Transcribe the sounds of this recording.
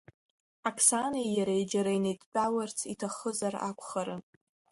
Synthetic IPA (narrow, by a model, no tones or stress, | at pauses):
akʰsanijaɾaid͡ʒaɾainejtʼt͡pʲʼawart͡sʰitʰaχəzara̰kʷʰʼχaɾɨ